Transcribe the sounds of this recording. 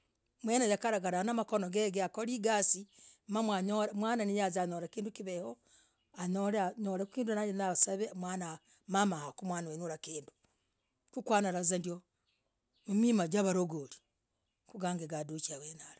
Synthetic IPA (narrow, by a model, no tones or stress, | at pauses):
mwenajakaɾaɡaɾaanamakonoɡeɡeakoɾiɡasimamwaɲomwaːnanijazaɲoɾakiːndukiβeho | aɲoɾɲoɾekukiːndunajenasaβemwaːna | mamahakumwaːnaweɲuɾakiːndu | kukwanaɾazandio | mumimad͡ʒaβaɾoɡoli̥ | kuɡaːŋɡeɡadut͡ʃiawenaɾa